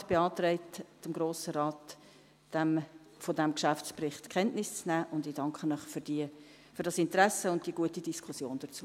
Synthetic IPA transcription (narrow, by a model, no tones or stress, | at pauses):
b̥eɑːt̪rɛɪtt͡səmɡɾoːsəɾɑːt | d̥æm | fodæmkʃæft͡sprɪχtkχɛntnɪst͡snæːʔʊndɪdɑŋkχənœχfd̥i | føɾdɑsɪntɾæsəʊnt̚d̥iəɡuətidiskχʊsjoːnd̥ət͡suːə